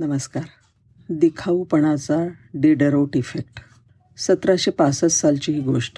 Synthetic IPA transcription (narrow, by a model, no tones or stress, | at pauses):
nəməskaɾ | d̪ikʰaupəɳ̃at͡saɖeɖəɾoʈifekʈ | sət̪ɾaɕepasət͡s̪salt͡ɕiːɦiːɡoʂʈ